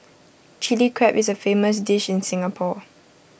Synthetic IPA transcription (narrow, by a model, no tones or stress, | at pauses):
t͡ʃilikʰɹɛpɪsəfeːməs̬dɪʃɪ̃nsɪ̃ŋapʰɔ